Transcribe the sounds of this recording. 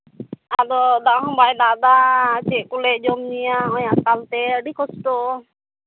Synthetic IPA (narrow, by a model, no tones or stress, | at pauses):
aɾɔd̪aʔɦɔbajd̪aʔd̪at͡ʃɛʔkuleʔd͡ʒɔmnijaɔjaʔkalt̪ɛəɖikɔst̪ɔ